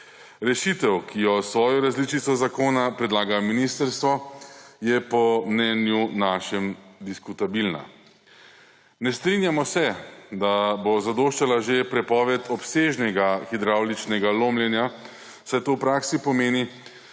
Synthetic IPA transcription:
ɾɛʃit̪ɛwkʰijɔsʋɔːjɔɾazlit͡ʃit̪sɔzakoːnapɾɛd̪laːɡajminist̪əɾst̪ʋɔjɛpɔmnɛnjunaːʃɛmd̪iskut̪abilna̰ | nɛst̪ɾinjamɔsɛd̪abozad̪oːʃt͡ʃalaʒepɾɛpɔːʋɛt̪ʰɔpseːʒnɛɡaxid̪ɾawlit͡ʃnɛɡaloːmljɛnja | sɛjt̪oːwpɾaːksipɔmeːni

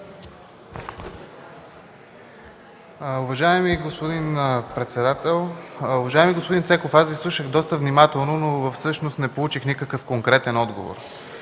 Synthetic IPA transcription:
ʊvɐʒaimiɡospod̪inpɾɛt̪sɛd̪at̪ɛlˠʊvɐʒaɛmiɡospod̪insɛkofasvislˠuʃəɣd̪ɔst̪əvnimat̪ɛlˠnonovəfsɤʃnost̪nɛpolˠut͡ʃixnikəkɤfkoŋkɾɛt̪ɛnɔd̪ɡovo̰ɾ

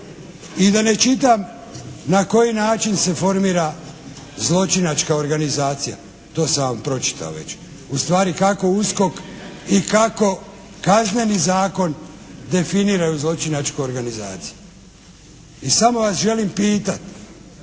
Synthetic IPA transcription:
id̪ane̞t͡ʃit̪̬am | nako̞jinaːt͡ʃinse̞fo̞ɾmiːɾa | zlˠo̞t͡ʃinat͡ʃkao̞ɾɡanizaːt̪sija̰ | t̪o̞ːsaʋampɾo̞t͡ʃi̥t̪ʰa̰o̰ʋe̞̰t͡ɕt͡ʃ | ust̪ʋaːɾikako̞usko̞kikako̞ | kazne̞nizaːko̞n | d̪e̞finiːɾajuzlˠo̞t͡ʃinat͡ʃkoo̞ɾɡanizaːt̪si̥ju | isamo̞ʋasʒe̞limpiːt̪at̪

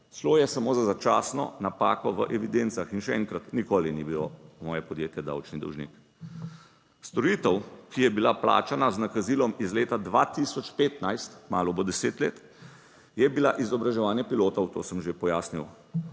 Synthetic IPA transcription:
sloːjɛsamoːzazat͡ʃa̰ːsnɔ̰napa̰ːkɔʋəʔɛʋid̪ent̪saxinʃɛɛ̰ŋkɾat̪nikoːlinibilɔmɔːjɛpɔd̪jeːt̪jɛd̪a̰wt͡ʃnid̪ɔ̰wʒnḭk | st̪ɔɾiːt̪əwkijɛbilapla̰ːt͡ʃanaznakaziːlɔmizleːt̪ad̪ʋa̰t̪isɔt͡ʃpeːt̪najst̪kmaːlɔbɔd̪ɛseːt̪leːt̪ | jɛbilaʔizɔbɾaʒɛʋaːnjɛpiloːt̪ɔwt̪o̰ːsəmʒepɔjaːsniw

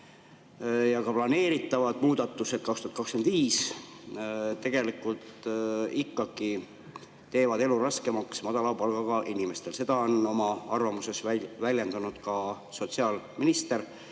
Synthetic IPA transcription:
jɑkɑplɑne̞ːɾit̪ːˑɑvɑd̪̥muːd̪̥ɑt̪ːˑuse̞d̪̥̚kɑkst̪uɑt̪kɑkskenviːs | t̪ːe̞ɡ̥e̞likːult̪ikːˑɑɡ̥i | t̪e̞ːvɑd̪e̞luɾɑskemɑksmɑd̪̥ɑlɑpɑlɡ̥ɑkɑʔinimest̪e̞lse̞d̪̥ɑo̞nomɑɑrvɑmuse̞svælʲjend̪ɑnud̪̥kɑ | so̞t̪siɑːlminist̪e̞r

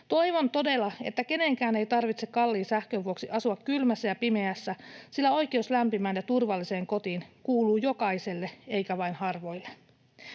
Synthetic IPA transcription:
t̪o̞jʋo̞nt̪o̞de̞lɑe̞̰t̪ːæke̞ne̞ŋkæːne̞jt̪ɑrʋit̪sekɑlːiːnsæhkøʋuo̞ksiʔɑsuɑkkylmæsːæjɑpime̞æsːæsilːæo̞jk̟e̞uslæmpimæːnjɑt̪urʋɑlːise̞ːŋko̞t̪iːnkuːluːjo̞kɑjse̞lːe̞e̞jkæʋɑjnhɑrʋo̞jlːe

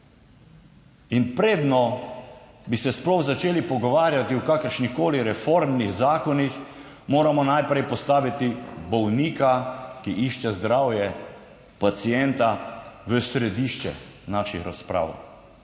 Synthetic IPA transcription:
inpɾeːd̪nɔ | bisɛsplɔwzat͡ʃeːlipɔɡɔʋaːɾjat̪iwkaːkəɾʃnixkoːliɾɛfoɾmniɣzaːkɔnix | moːɾamɔnajpɾɛjpɔst̪aːʋit̪ibɔwniːkakiʔiʃt͡ʃɛzd̪ɾaːwjɛ | pat̪sijɛnt̪aʋəsɾɛd̪iːʃt͡ʃɛ̰naʃixɾa̰spɾa̰ːw

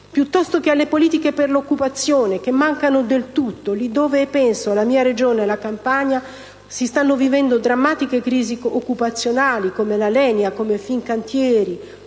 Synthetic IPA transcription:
pjut̪ːɔst̪okealːepoliːt̪ikeperlokːupat̪sːjoːnek̟emːaŋkanod̪elt̪ut̪ːolid̪ːoːvepɛnsoalamiːaɾed͡ʒoːnlakampaɲa | sist̪anːovivɛnd̪od̪ɾamːaːt̪ikekːɾiːziokːupat̪sːjonaːlikomelalɛːnjakomefiŋkant̪jɛːɾi

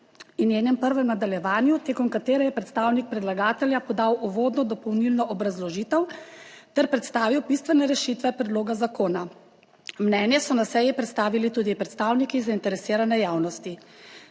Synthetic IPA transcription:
injeːnɛmpəɾʋɛmnad̪aljɛʋaːnjut̪eːkɔmkat̪eːɾɛjɛpɾɛt̪st̪aːwnik̚pɾɛd̪laɡaːt̪ɛljapɔd̪aːwʔuʋoːd̪nɔd̪ɔpɔwnilnɔʔɔbɾazlɔʒiːt̪ɛwt̪ɛɾpɾɛt̪st̪aːʋiwbist̪ʋɛnɛɾɛʃiːt̪ʋɛpɾɛd̪loːɡazakoːna | mnɛːnjɛsɔnasɛjipɾɛt̪st̪aːʋilit̪uːd̪ipɾɛt̪st̪aːwnikizaint̪ɛɾɛsiːɾanɛjaːwnɔst̪i

